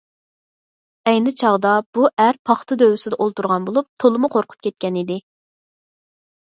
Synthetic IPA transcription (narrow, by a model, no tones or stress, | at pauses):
ɛjnɪt͡ʃʰɑʁd̪ɑb̥uʔæɾpʰɑχt̪ʰɨd̪øwɪsɪd̪ɛʔolˠt̪uɾʁɑnbolˠup̚t̪ʰolˠɨmʊqʰoɾqʰʊ̥p̚kʲɛt̪̚kʲɛnid̪ɪ